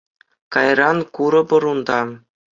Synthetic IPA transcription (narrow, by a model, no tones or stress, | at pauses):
kɑjɾɑnkuɾɤ̆pɤ̆ɾund̪ɑ